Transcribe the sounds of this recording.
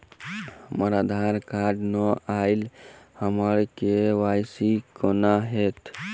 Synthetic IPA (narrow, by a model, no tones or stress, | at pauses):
həməɾad̪ʱaɾkaɖnɔailhəməɾkewasikɔnaɦet̪